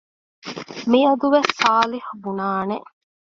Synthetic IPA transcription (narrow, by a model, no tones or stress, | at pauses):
miɐd̪uʋesːaːlihubunaːneʔ